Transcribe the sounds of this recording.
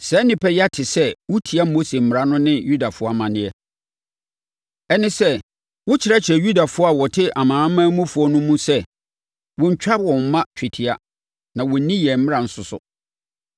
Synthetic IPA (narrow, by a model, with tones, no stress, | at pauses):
sɛ˦nɪ̃˨pʰɛ˦ja˦tʰɪ˨sɛ˦wʊ˦tʰi˨a˦mo˦se˨m̩˦m˨ɾa˦nʊ̃˦nɪ̃˦ju˦da˨fʊ˦ɔ˦a˨mã˨nɪ̃˦ɛ˦ | ɛ˦nɪ̃˦sɛ˦ | wʊ˦t͡ɕʰɪ˨ɾɛ˦t͡ɕʰɪ˨ɾɛ˨ju˦da˨fʊ˦ɔ˦a˨wɔ˨tʰɪ˦ʔa˨mãː˨˦mã˦mũ˦fʊ˨˦ɔ˦nʊ̃˦mũ˦sɛ˦ | wɔ̃˨ɲ̩˦˨t͡ɕᶣa˦bwɔ̃˨m̩˨mã˦t͡ɕᶣʰɪ˨tʰɪ˨a˦ | nã˨wɔ˨˦nĩ˦jɛ˨m̩˦mɪ̃˦ã˨n̩˦sʊ˨sʊ̰˨